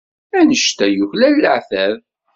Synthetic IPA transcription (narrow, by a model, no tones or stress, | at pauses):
ænəʃt̪æjʊçlælːəʕθæv